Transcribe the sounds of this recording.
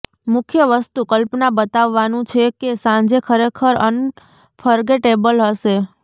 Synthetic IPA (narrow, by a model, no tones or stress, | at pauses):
mʊkʰjəʋəst̪ukəlpnabət̪aʋːanũt͡ʃʰekesãɲd͡ʒekʰəɾekʰəɾən | fʰəɾɡeʈebəlɦəʃe